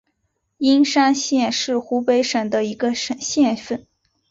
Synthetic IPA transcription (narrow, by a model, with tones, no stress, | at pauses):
i˥nʂa˥nɕjɛ˥˧nʂɻ̩˥˩xu˧˥pe˧˥ɪʂə˨˩nd̪ə˦i˧˥ɡə˧ʂə˨˩nɕjɛ˥˧nfə˥˩n